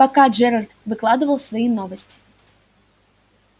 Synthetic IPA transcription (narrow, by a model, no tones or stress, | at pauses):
pakad͡ʐɛɾɐrt̪vɨklˠad̪ɨvɐlˠsvajinɔvɐsʲt͡sʲi̥